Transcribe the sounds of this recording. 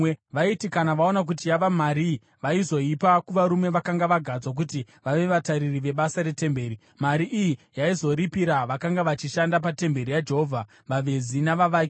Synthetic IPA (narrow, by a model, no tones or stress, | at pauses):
ʋaitikanaʋao̞nak̬ut̬ijaʋamaɾi | ʋaizo̞ipakuʋaɾumwe̞ʋakaŋɡaʋaɡʱad͡zwak̬uti | ʋaʋe̞ʋataɾiriʋe̞ɓasaɾe̞te̞mbe̞ːɾi | maɾiʔijijaizo̞ɾipiɾaʋakaŋɡaʋat͡ʃiʃandapate̞mbe̞ɾijad͡ʒe̞ɦovʱa | ʋaʋe̞zinaʋaʋaːk